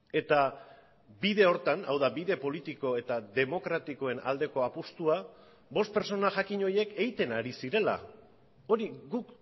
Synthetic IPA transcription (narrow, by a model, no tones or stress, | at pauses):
e̞t̪a | biðe̞o̞ɾt̪ana̰wðabiðe̞po̞lit̪iko̞e̞t̪aðe̞mo̞kɾat̪iko̞e̞na̰ld̪e̞ko̞apust̪ua | bo̞st̪̚pe̞ɾt͡so̞naʝakiɲo̞je̞ke̞ɣit̪e̞naɾisiɾe̞la̰ | o̞ɾiɡuk